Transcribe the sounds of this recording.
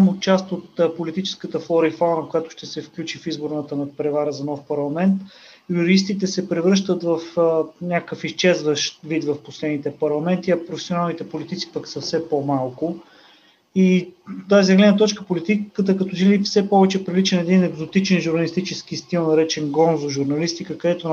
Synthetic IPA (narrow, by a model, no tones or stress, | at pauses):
amʊt͡ʃast̪ot̪ːpolit̪it͡ʃɛ̥skət̪əflˠɔɾifalˠnəkojat̪ʊ̥ʃt̪ɛsɛfklʲut͡ʃifizbʊɾnət̪ənɐpɾɛvaɾəzɐnɔfpɐɾlˠɐmɛnt̪ | juɾis̬t̪it̪ɛsɛpɾɛvɾɤʃt̪ət̪vəfənʲakəfist͡ʃɛzvəʃt̪vit̪vɐfposlɛd̪nit̪ɛpɐɾlˠɐmɛnt̪iɐpɾofɛ̥sionalˠnit̪ɛpolit̪it̪si̥pəksəfsɛpomalˠkʊ | it̪azizɡlɛd̪nət̪ɔt͡ʃkəpolit̪ikət̪əkɐt̪ɔt͡ʃilifsɛpɔvɛt͡ʃɛpɾilit͡ʃɛnɛd̪inɛɡzot̪it͡ʃɛnʒuɾnɐlist̪it͡ʃɛsk̟ist̪ilˠnɐɾɛt͡ʃɛnɡɔnzoʒuɾnɐlist̪ikəkəd̪ɛt̪o